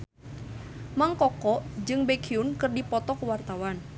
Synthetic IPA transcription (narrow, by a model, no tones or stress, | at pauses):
maŋkɔkɔʔd͡ʒɨŋbekʰiunkɨrdipɔt̪ɔkwart̪awan